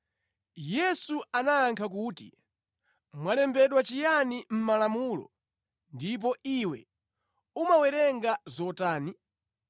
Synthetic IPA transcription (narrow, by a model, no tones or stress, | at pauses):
jɛsuanaːŋkʰak̬uːtḭ | mwalɛmbɛɗwat͡ʃijanim̩malamulɔ̰ | ndip̬ɔʔiwɛ | umawɛɾɛŋɡazɔtaːni